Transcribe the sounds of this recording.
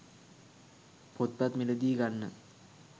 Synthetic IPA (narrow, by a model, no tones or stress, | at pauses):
pot̪̚pat̪milɐd̪iːɡanːə